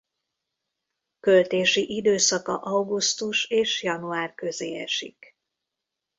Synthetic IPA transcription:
kølt̪eːʃiʔid̪øːsɒkɒ̰ʔɒɡust̪uʃeːʃjɒnuaːrkø̞zeːɛ̰ʃḭk

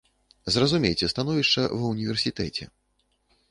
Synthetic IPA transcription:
zrɐzumʲejt͡sʲɛst̪anɔvʲiʂt͡ʂɐ̰vɐwnʲivʲɛrsʲit̪ɛt͡sʲɛ̰

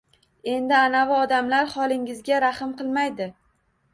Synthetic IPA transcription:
e̞nd̪ɪanavɪɒd̪amlaɾχɒlˠɪŋɪzɡʲaɾaχɨmqɨlˠmajd̪ɪ

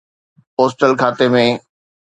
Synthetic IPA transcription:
poːsʈəlkʰaːt̪emẽ

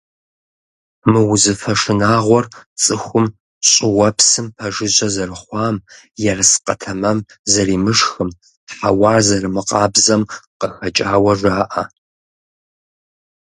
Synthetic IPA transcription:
mɨwʊzɨfɐʂɨnaːʁʷɔrt͡sʼɨxʷʊm | ɕʼɪwɐpsɨmpʰɐʒɨʑʼɐzɐɾɨχʷɑːm | jɛrɨsqɐ̰tʰɐmɐm | zɐɾiːmɨʂxɨm | ħa̰wɑːrzɐrɨmɨqɑːbzɐmqəxɐt͡ʃʼaːwɐʐʷaːʔɐ

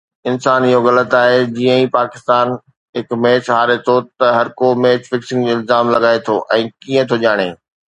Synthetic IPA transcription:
ɪnsaːnɪɦoɣɐlət̪aːɦed͡ʑiːə̃ĩpaːkɪst̪aːn | ɦɪkmeːt͡ɕɦaːɾet̪ʰot̪ɐɦɐɾkomeːt͡ɕfɪksɪ̃ŋɡd͡ʑoːɪlzaːmlɐɡaːet̪ʰoːʔɛ̃ːkiə̃t̪ʰoʄaːɽ̃eː

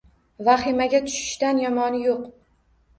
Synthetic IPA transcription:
vaχɪmaɡʲat̪ʰʊ̥ʃɪ̥ʃt̪anjɒmɒnɪjoq

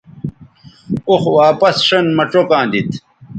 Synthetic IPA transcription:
uxwaːpɐsʂɐnmɐʈ͡ʂokãːd̪it̪

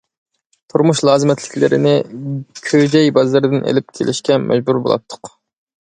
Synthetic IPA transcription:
t̪ʰuɾmuʃlˠɑːzɨmɛt̪ʰlɪ̥kʲlɪɾɪ̰nɪkʲʰød͡ʒɛjbɑzlɨɾɨd̪ɪnḛlɪp̚kʲʰelɪʃkʲɛmʔɛ̰d͡ʒbuɾbo̰lˠɑ̰p̚t̪ʰːʊ̥q

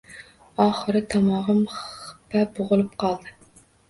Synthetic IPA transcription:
ɑːχɨɾɨt̪ʰɑmɑʁɨmχpʰæboʁʊlˠɨp̚qʰɑlˠd̪ɨ

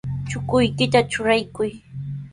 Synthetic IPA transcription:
t͡ʃʊkʊjkɪt̪at͡ʃʊɾajkʊj

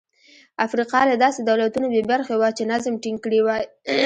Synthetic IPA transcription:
afɾiqɑlad̪ɑsed̪awlat̪unobebaɾxewat͡ʃenazmʈiŋɡkɽiwaj

